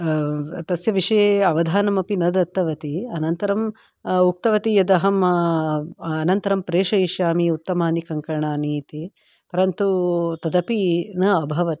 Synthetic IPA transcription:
t̪ɐsjɐʋiʂɐjeɐʋɐd̪ʱaːnɐmɐpinɐd̪ɐt̪ːɐʋɐt̪iɐnɐnt̪ɐɾɐm | uk̚t̪ɐʋɐt̪ijɐd̪ɐɦɐm | ɐnɐnt̪ɐɾɐmpɾeːʂɐiʃjaːmiut̪ːɐmaːnikɐŋkɐɾɳaːniːt̪i | pɐɾɐnt̪ut̪ɐd̪ɐpinɐɐbʱɐʋɐt̪i

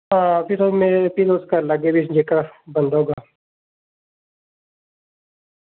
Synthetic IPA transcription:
ɦãːpɪɾomepilʊskalɐɡebid͡ʒekabənd̪ɦoɡaː

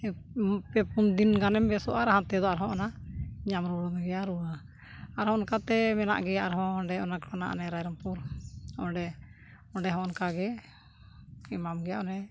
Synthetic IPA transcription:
pɛpund̪inɡanɛmbɛsɔʔaɾaɦãt̪ɛd̪ɔaɾɦɔ̃ʔɔnaɲamɾuɽɔnɡɛjaɾua | aɾhɔ̃ʔɔnkat̪ɛmɛna̰ʔɡɛjaʔaɾɦɔ̃ɔɳɖɛɔnakɾana̰ʔnɛɾajɾɔmpuɾɔɖɛ | ɔɖɛɦɔ̃ɔnkaɡɛ | imamɡɛjaʔɔnɛ

